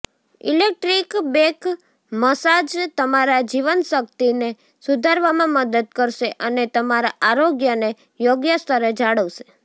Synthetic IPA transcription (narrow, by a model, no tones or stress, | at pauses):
ḭlek̚ʈɾikbek | məsad͡ʒt̪əmaɾad͡ʒiʋənʃəkt̪ine | sud̪ʱaɾʋamãməd̪əd̪̚kəɾʃeʔənet̪əmaɾaʔaɾoɡjəne | joɡjəst̪ʰəɾed͡ʒaɽəʋʃe̥